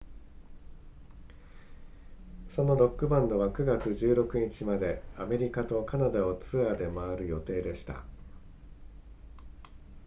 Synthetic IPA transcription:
so̞no̞ɾo̞kːɯ̟bãnd̪o̞βakɯ̟ɡat͡sɨʑɨːɾo̞kɯ̟ɲ̟it͡ɕimad̪e̞ame̞ɾʲikat̪o̞kanad̪ao̞t͡sɨad̪e̞maːɾɯ̟jo̞t̪e̞ːd̪e̞ɕi̥t̪a̰

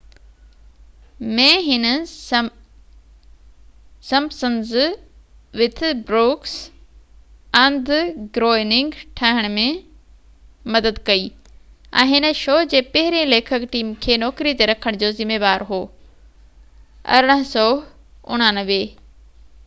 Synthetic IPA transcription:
mẽɦɪnə | sɐ̃msənz | ʋɪt̪ʰɪbɾoːks | ɐ̃nd̪ʱɡɾoːɪnɪ̃ŋɡʈʰaːɦɪɽ̃mẽ | mɐd̪əd̪kɐiː | ɛ̰̃ːɦɪnə̆ʃoːd͡ʑeːpɐɦɪɾẽleːkʰəkʈiːmkʰeːnɔːkɾit̪eɾɐkʰəɽ̃d͡ʑoːzɪmeːʋaːɾɦoː | ɐ̰ɾɪɽ̃əɦsɔː | ʊ̰ɽ̃anəʋeː

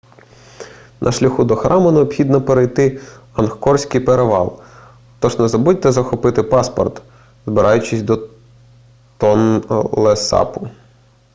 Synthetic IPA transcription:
nʔɐ̰ʃlʲɐxud̪ɔxɾʔɑmʊneɔpxʲid̪nɐpeɾejt̪ɪ | ɐnxkɔrsʲkɪjpeɾeʋɑ̰lˠ | xt̪ɔʒnɛzɐbudʲt̪ɛzɐxɔpɪt̪ɪpɑspɔ̰rt̪ | zbɪɾʔɑjʊt͡ʃɪsʲd̪ɔ | t̪ɔnlˠesɑ̰pʊ

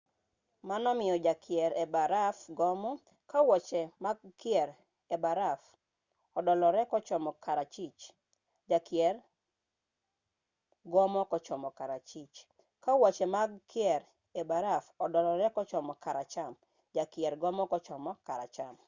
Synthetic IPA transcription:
manɔmɪɔd͡ʒakʰɪɛɾɛbaɾafɡɔmɔ | kawɔt͡ʃɛmaɡkɪɛɾ | ɛbaɾaf | ɔdɔlɔɾɛkɔt͡ʃɔmɔkʰaɾat͡ʃit͡ʃ | d͡ʒakɪɛr | ɡɔmɔkɔt͡ʃɔmɔkaɾat͡ʃit͡ʃ | kawat͡ʃɛmaɡkɪɛɾ | ebaɾafɔdɔlɔɾɛkɔt͡ʃɔmɔkaɾat͡ʃam | d͡ʒakjɛɾɡɔmɔkɔt͡ʃɔmɔkaɾa̰t͡ʃam

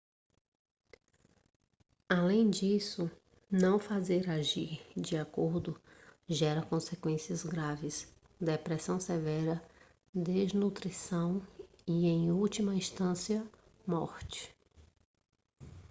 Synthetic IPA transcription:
alẽj̃d͡ʒisʊ | nɐ̃w̃fazeɾaʒiɾd͡ʒɪakoɾd̪ʊʒɛɾɐkõsekwẽsiɐzɡɾavɪs | d̪epɾesɐ̃w̃sevɛɾɐ | d̪eznut̪ɾisɐ̃w̃ | iẽj̃uwt͡ʃimɐĩst̪ɐ̃siɐ | mɔ̰ɾt͡ʃɪ̥

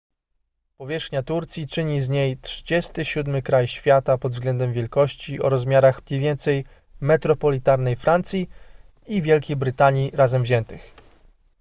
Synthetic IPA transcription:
pɔvʲjɛʂxɲat̪uɾt̪sʲjit͡ʂɘɲizɲejtʂɘd͡ʑɛst̪ɘɕud̪mɘkɾajɕfʲjat̪apɔd̪vzɡlɛnd̪ɛmvʲjɛlkɔɕt͡ɕiʔɔ̰ɾɔzmʲjaɾaxɲejvʲjɛnt̪sɛj | mɛt̪ɾɔpɔlʲit̪aɾnɛjfɾant̪sʲji | ivʲjɛlkʲejbɾɘt̪aɲjiɾazɛmvʑɛnt̪ɘx

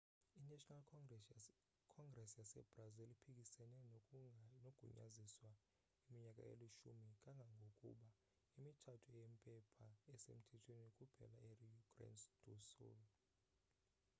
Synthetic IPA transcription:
inɛtɔnal | kʰɔŋɡrɛsjasɛ̰b̥razilipʰikʼisɛnɛ | noɡ̥ʱṵɲa̰ziswa | imiɲakʼa̰ḛliʃumikʼaŋɡʱaŋɡʱokʼṵɓa | imitʰatʰuɛjempʼɛpʰaɛsḛm̩tʰɛtʰwenokʼub̥ʱɛ̰laerijukʰʼrɛ̰nsd̥ʱusṵl

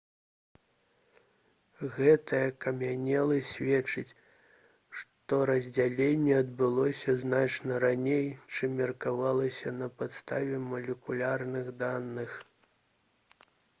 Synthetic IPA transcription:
ɣɛt̪ɐjɐkɐmʲanʲɛlˠɨsʲvʲɛt͡ʂɨt͡sʲ | ʂt̪ɔɾɐzʲd͡zʲalʲenʲːɛɐd̪bɨlˠɔsʲɐznat͡ʂnɐɾanʲejt͡ʂɨmːʲɛrkavalˠɐsʲɐnɐpat̪st̪avʲɛmɐlʲɛkulʲarnɨɣd̪anːɨx

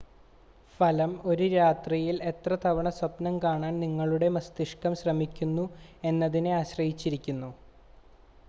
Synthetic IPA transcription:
fɐlɐmo̞ɾuɾaːt̪rijile̞t̪rɐt̪ʰɐʋɐɳɐswɐpnɐmkaːɳaːnniŋːɐɭuɽe̞mɐst̪iʂkɐmɕrɐmikʲːunːue̞nːɐðineaːɕrɐhit͡ɕːiɾikʲːunːu

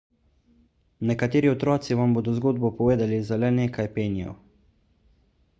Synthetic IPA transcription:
nɛkat̪eːɾiɔt̪ɾɔːt̪siʋamboːd̪ɔzɡoːd̪̚bɔpɔʋeːd̪alizalɛneːkʰajpeːnijɔ̰

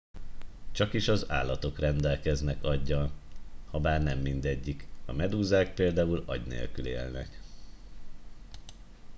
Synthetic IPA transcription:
t͡ʃɒkiʃɒza̰ːlːɒt̪o̞krɛnd̪ɛlkɛznɛkɒɟːɒlhɒbaːrnɛmːind̪ɛɟːikɒmɛd̪uːzaːk̚peːld̪aːulɒ̰ɟnḛːlkylḛːlnɛ̰k

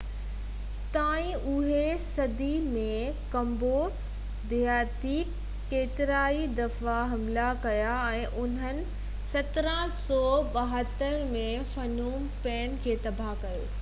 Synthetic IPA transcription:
t̪aːĩʔʊɦesɐd̪imẽkɐ̃mbo | d̪ijaːt̪iː | kːeːt̪ɪɾaːid̪ɐfaɦɐmlakɐjaɛ̃ːʔʊn̤ənɪ̆ | sɐt̪ɪɾəsɔːɓɐɦət̪əɾmẽ | fɐnuːm | pɛːnkʰeːt̪ɐbʱakɐjo̰ː

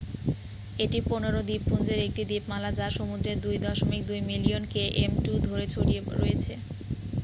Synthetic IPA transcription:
eʈiponeɾod̪ipːund͡ʑeɾek̚ʈid̪ipmalad͡ʑaʃomud̪ɾed̪ujd̪ɔʃomik̚d̪ujmilionkeʔemʈud̪ʱoɾet͡ɕʰoɽieɾo̰jet͡ɕʰe

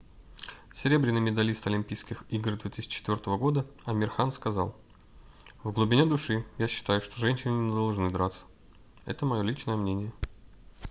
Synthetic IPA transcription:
sʲɪɾʲe̞bɾʲɪnːɨjmʲɪd̪ɐlʲist̪ɐlʲɪmʲpʲijskʲɪxiɡrd̪vʲet̪ɨsʲɪ̥t͡ɕt͡ɕːɪt̪vʲo̞rt̪əvəɡo̞d̪əɐmʲɪrxanskɐzɑlˠ | vɡlˠʊbʲɪnʲe̞d̪ʊʂɨjaɕːɪ̥t̪ajʊʂt̪o̞ʐɛnʲɕɪnʲɪnʲnʲɪd̪ɐlˠʐnɨd̪ɾat̪sə̥ | ɛ̰t̪əmɐjo̞lʲit͡ɕnəjəmnʲenʲɪjə

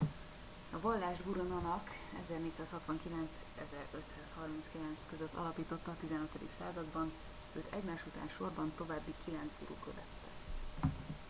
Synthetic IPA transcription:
ɒvɒlːaːʒbuɾonɒnɒk | ɛ̰zɛrneːt̪saːshɒt̪ʋɒŋkilɛnt̪s | ɛzɛɾøt̪saːshɒrminskilɛnt̪skøzøt̪ːɒ̰lɒpiːt̪o̞t̪ːɒːt̪izɛnøt̪ød̪ḭksaːzɒd̪bɒn | øːt̪ʰɛɟmaːʃut̪a̰ːnʃo̞rbɒnt̪o̞vaːbːikʰilɛnt̪zbṵɾṵːkøvɛ̰t̪ːɛ̥

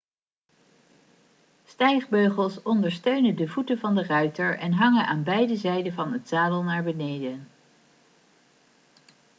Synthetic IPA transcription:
stɛjχbøɥχəlˠsɔndəɹstøɥnəndəvutəvɑndərœɥtəɹʔɛnɦɑŋənʔaːnbɛjdəzɛjdəvɑnɦətsaːdəlˠnaːɹbənejdən

